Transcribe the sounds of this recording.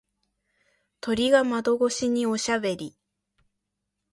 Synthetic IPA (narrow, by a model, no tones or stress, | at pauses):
t̪o̞ɾʲiɡamad̪o̞ɡo̞ɕiɲ̟io̞ɕabe̞ɾʲi